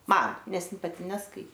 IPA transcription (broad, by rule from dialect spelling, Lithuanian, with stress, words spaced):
ˈmɐn ˈnʲɛs ˈɪn pɐˈtʲɪ nʲɛsˈkɐɪ